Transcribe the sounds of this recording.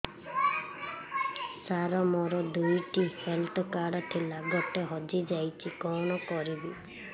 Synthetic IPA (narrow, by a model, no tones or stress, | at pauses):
saɾɔmɔɾɔd̪ujʈihelt̪ʰɔkaɽɔt̪ʰilaɡɔʈeɦɔd͡ʒid͡ʒajt͡ʃʰikɔɽ̃ɔkɔɾibi